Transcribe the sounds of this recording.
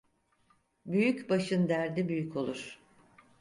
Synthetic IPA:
byjycbaʃɯnd̪æɾd̪ibyjycʰo̞lˠuɾ̥

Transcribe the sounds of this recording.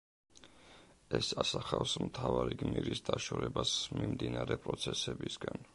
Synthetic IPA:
ɛsasaχafsmt̪ʰavaɾiɡmiɾisd̪aʃɔɾɛbasmimd̪inaɾɛpʼɾɔt̪sʰɛsɛbisɡan

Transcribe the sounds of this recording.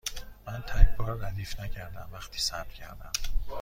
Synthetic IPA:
mænt̪ʰæcʰbɒːɾːæd̪iːfnæcʰæɾd̪æmvæχt̪ʰiːsæɾd̪̥cʰæ̰ɾd̪æm

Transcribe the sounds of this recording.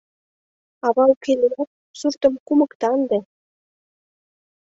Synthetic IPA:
ɑβɑlkeleæt̪̚ | surt̪ɤ̆mkumɤ̆kt̪ɑnd̪e

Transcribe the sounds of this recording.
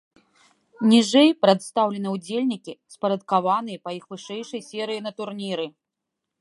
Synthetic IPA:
nʲiʐɛjpɾɐd̪st̪awlʲɛnɨwd͡zʲelʲnʲikʲispɐɾɐt̪̚kavanɨjɐpɐixvɨʂɛjʂɐjsʲɛɾɨjinɐt̪urnʲiɾɨ

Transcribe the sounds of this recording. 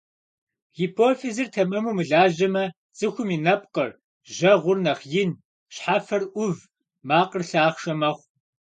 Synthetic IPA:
ɣiːpʰoːfezɨrtʰɐmɐmuːmɨɮaːʒɐmɐ | t͡sʼɨxʷʊminɐp̚qər | ʒɐʁʷʊrnɐχjɪn | ɕħafɐrʔʷʊv | maːqərɬaːχʃɐmɐχʷ

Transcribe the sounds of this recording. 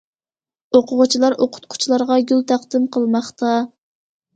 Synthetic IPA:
oqʰʊʁʊt͡ʃʰilˠɑɾʔoqʰʊ̥t̪̚qʰʊ̥t͡ʃʰilˠɑɾʁɑɡʲylt̪ʰæχd̪ɨmqʰəlˠmɑχt̪ʰɑ

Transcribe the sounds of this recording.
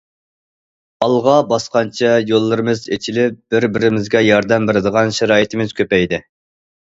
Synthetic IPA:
ɑlˠʁɑbɑsqɑnt͡ʃʰɛjolˠːɨɾɨmɨzet͡ʃʰilɪp̚b̥ɪɾbɪɾɪmɪzɡʲɛjɑɾd̪ɛmbeɾɪd̪əʁɑnʃɛɾɑːjit̪ʰɪmɪz̥kʲʰøpɛjd̪ɪ

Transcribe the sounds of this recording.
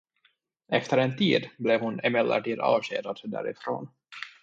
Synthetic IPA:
ɛft̪əɾɛnt̪ʰiːd̪blɛvhʊnɪmɛd̪ʔə̰ʈiːd̪ɑ̰ːvɕeːd̪ad̪d̪æ̰ːɾɪ̰fɾo̰ːn

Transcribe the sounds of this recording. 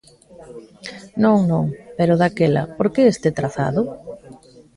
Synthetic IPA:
nõŋnõŋpeɾʊðakelɐ̰poɾkeest̪et̪ɾaθa̰ðʊ

